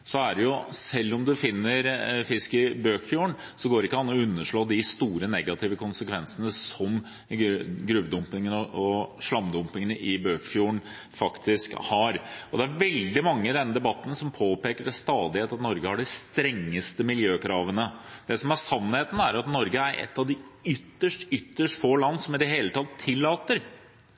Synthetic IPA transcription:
sɔæɖɛjʊsɛlːɔmd̪ʉfɪnːəɾfɪskɪbøːkfjuːəɳ | sɔɡoːɾɪkːəɑnːɔʉnːəʂɭoːd̪ɪst̪uːɾənɛɡɑt̪ʰɪːʋəkʊnsəkʰʋɛnsənəsɔm | ɡɾʉːʋd̪ʊmpɪŋənɔɔʂlɑmd̪ʊmpɪŋənəʔɪbøːkfjuːəɳ | fɑkt̪ɪskhɑɾɔd̪ɛæɾʋɛld̪ɪmɑŋːəɪd̪ɛnːəd̪ɛbɑt̪ːn̩sɔmpʰoːpeːkəɖɛst̪ɑːd̪ɪheːt̪ɑt̪nɔɾɡəhɑɖɪst̪ɾɛŋːəst̪əmɪljøːkʰɾɑːʋənəd̪̥ɛsɔmæsɑnːheːt̪n̩æɾɑt̪nɔɾɡəæɾɛ̰t̪ːɑʋd̪ɪʏt̪ːəʂʈʏt̪ːəʂʈfoːlɑnːsɔmɪd̪əɦeːlət̪ʰɑt̪ʰːɪlːɑːt̪əɾ

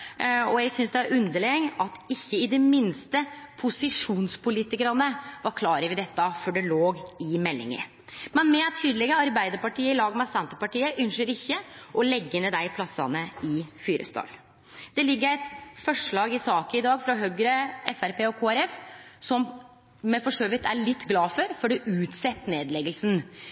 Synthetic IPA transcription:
ɔjæɡsʏnsd̪ɛɑɾʉnd̪əɭeːŋnɑt̪ɪçːəɪd̪ɛmɪnst̪əpʰʊsɪʂuːnspʊliːt̪ɪkəɾɑnəʋɑɾkʰlɑːɾəʋɛd̪ɛt̪ːəfɔɖɛloːɡɪmɛlːɪ̰ŋə̰ | mɛnmɛt̪ʰːyːd̪lɪɡəəɑɾbæɪd̪əɾpɑʈiːəɪlɑːɡmɛsɛnt̪əpɑʈiːəʔʉnʂəɾɪçːəʔɔlɛɡːənəd̪æɪpʰlɑsɑ̰nəɪfyːɾə̰st̪ʰɑ̰ːl | d̪̥ɛlɪɡːəɾæɪt̪fɔʂɭɑːɡɪsɑːkəɪd̪ɑːɡfɾɔɦœɡɾəɛfæɾpeːɔkʰoːæɾɛfsɔm | mɛfɔʂøʏʋɪt̪ʰæɭɪt̪ːɡlɑːfɔɾfɔɖɛʔʉːt̪sɛt̪ːneːd̪lɛɡəlsn

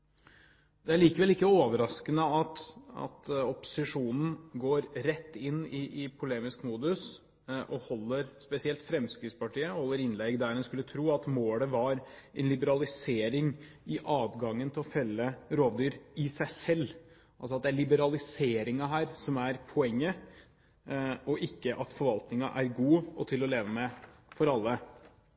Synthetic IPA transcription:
d̪ɛæɭiːkəʋɛlɪkːəoːʋəɾɑskənəɑt̪ɑ̰t̪ɔpʊ̥sɪʂuːnn̩ɡoːɾɾɛt̪ːɪnːɪʔɪpʰʊleːmɪskmuːd̪ʉs | ʔɔhɔlːəɾspɛsɪɛlt̪fɾɛmskɾɪːt̪spɑʈiːəhɔlːəɾɪnlɛɡd̪æɾnɛnskʉlːət̪ʰɾuːɑt̪moːləʋɑɾʔɛnlɪbəɾɑlɪseːɾɪŋ | ɪʔɑːʋɡɑŋːənt̪ʰɪlɔfɛlːəɾoːʋd̪yːɾɪsæɪsɛlː | ʔɑls̬ɔɑt̪̚d̪ɛæɭɪbəɾɑlɪseːɾɪŋɑɦæːɾsɔmæɾpʰɔɛŋːə | ɔʔɪkːəʔɑt̪fɔɾʋɑlt̪nɪŋɑʔæɾɡuːɔt̪ʰɪlɔleːʋəmɛfɔɾɑlːə

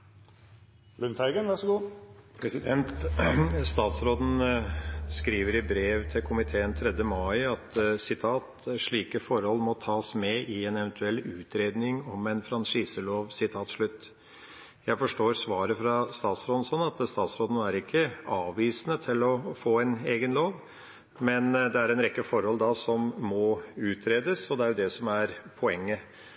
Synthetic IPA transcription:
lʉnt̪ʰæɪɡənʋæʂɔɡuːpʰɾɛsɪd̪ɛnt̪ | st̪ɑːt̪sɾoːd̪n̩ | skɾiːʋəɾɪbɾeːʋt̪ʰɪlkʰʊmɪt̪ʰeːənt̪ʰɾɛd̪jəmɑɪɑt̪sɪt̪ʰɑːt̪ʂɭiːkəfɔɾhɔlːmɔt̪ʰɑːsmɛʔɪɛnɛʋɛnt̪ʰʉɛlːʉːt̪ʰɾeːd̪nɪŋɔmɛnfɾɑnʂiːsəloːʋsɪt̪ʰɑːt̪ʂɭʉt̪ː | jæɪfɔʂʈoːɾsʋɑːɾəfɾɑst̪ɑːt̪sɾoːd̪n̩sɔnɑt̪st̪ɑːt̪sɾoːd̪ənæɾɪkʰːəɑːʋiːsnət̪ʰɪlɔfoːɛneːɡənloːʋ | mɛnd̪ɛæɾɛnɾɛkːəfɔɾhɔlːd̪ɑsɔmːɔʉːt̪ʰɾeːd̪əsɔd̪ɛæɾjʊd̪ɛsɔmæɾpʰɔɛŋːə

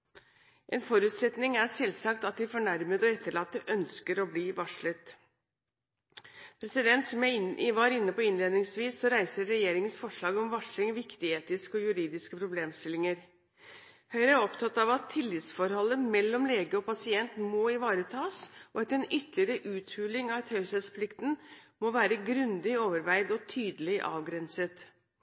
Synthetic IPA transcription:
ʔɛnfɔɾʉːt̪sɛt̪nɪŋæʂɛlsɑkt̪ɑt̪̚d̪ɪfɔɳæɾməd̪ɔɛt̪ːəɭɑːt̪ːəʔœnskəɾɔbliːʋɑʂɭət̪ | pʰɾɛsɪd̪ɛnt̪sɔmæɪʋɑːɾɪnːəpɔɪnleːd̪nɪŋsʋiːsːɔɾæɪsəɾɛjeːɾɪŋənsfɔʂɭɑːɡɔmʋɑʂlɪŋʋɪkt̪ɪeːt̪ɪskəɔjʉɾiːd̪ɪskəpʰɾʊbleːmst̪ɪlːɪŋəɾ | hœʏɾəæɔpt̪ʰɑt̪ɑʋɑt̪ʰːɪlːɪt̪sfɔɾhɔlːəmɛlːɔmleːɡəɔpɑsɪɛnt̪nmɔɪʋɑːɾət̪ʰɑːsʔɔɑt̪ɛnʏt̪ːlɪəɾəʔʉːt̪fʉːlɪŋɑʋt̪hœʏsɛt̪spʰlɪkt̪n̩mɔʋæːɾəɡɾʉnd̪ɪoːʋəɾʋæɪd̪ɔt̪ʰyːd̪əlɪʔɑ̰ːʋɡɾɛnsət̪

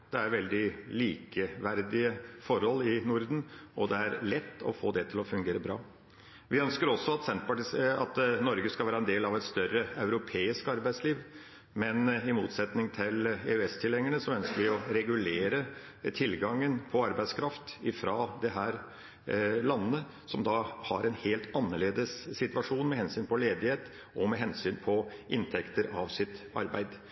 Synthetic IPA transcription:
d̪̥ɛæɾʋɛld̪ɪliːkəʋæɾd̪ɪəfɔɾhɔlːɪnʊɾd̪n̩ʔɔd̪ɛæɾlɛt̪ːɔ̰fo̰ːd̪ɛt̪ʰɪlɔfʉŋɡeːɾəbɾɑ̰ː | ʋɪœnskəɾɔsːɔɑt̪sɛnt̪pɑʈɪɑt̪nɔɾɡəskɑlʋæːɾəɛnd̪eːlɑʋɛt̪st̪œɾːəɑʉɾʊpʰeːɪskɑɾbæɪsliːʋ | mɛnɪmuːt̪sɛt̪nɪŋt̪ʰɪleʉɛst̪ʰɪlɛŋːəɳəsɔœnskəɾʋɪɔɾɛɡʉleːɾə | t̪ʰɪlɡɑŋːənpʰɔɑɾbæɪskʰɾɑft̪ɪfɾɑːd̪ɛɦæːɾ | lɑnːə | sɔmd̪ɑhɑɾɛnheːlt̪ɑnːəɭeːd̪əsːɪt̪ʋɑʂuːnmɛhɛnsyːnpʰɔleːd̪ɪheːt̪ | ɔmɛɦɛnsyːnpʰɔʔɪnt̪ʰɛkt̪əɾɑʋsɪt̪ɑ̰ɾbæ̰ɪd̪

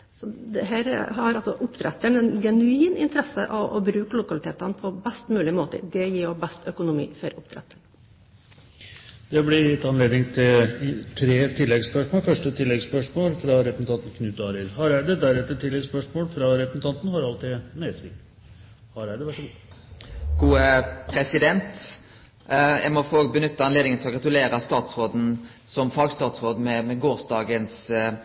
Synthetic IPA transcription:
sɔd̪ɛɦæːɾhɑɾɑlsɔʔʊpːt̪ʰɾɛt̪ːəɳɛnɡɛnʉiːnɪnt̪əɾɛsə̰ʔɑʔɔ̰bɾʉːkəlʊkɑlɪt̪ʰeːt̪ɑnpʰɔbɛst̪mʉːlɪmoːt̪ə̰d̪ɛjiːɾjɔbɛst̪ʰœkʊnʊmḭːfɔɾʊpːt̪ʰɾɛ̰t̪ːəɳ | d̪̥ɛblɪlɪt̪ːɑnleːd̪nɪŋt̪ʰɪlt̪ʰɾeːt̪ʰɪlːɛɡspœʂmoːlfœʂʈət̪ʰɪlːɛɡspœʂmoːlfɾɑɾɛpəs̩t̪ɑnt̪n̩kʰnʉːt̪ɑːɾəɾhɑɾæɪd̪əd̪æɾɛt̪ːəʈɪlːɛɡspœʂmoːlfɾɑɾɛpən̩t̪ʰɑnt̪n̩hɑɾɑlt̪ɪmesɪ | hɑɾæɪd̪əʋæʂɔɡ | ɡuːəpʰɾɛsɪd̪ɛnt̪ | jæ̰ɪmɔfoːɡbənʏt̪ːɑɑnleːd̪ɪŋənt̪ʰɔɡɾɑt̪ʉleːɾɑst̪ɑːt̪sʁoːd̪n̩ | sɔmfɑɡst̪ɑːt̪sʁoːd̪mɛmɛɡoːɾsd̪ɑːɡəns

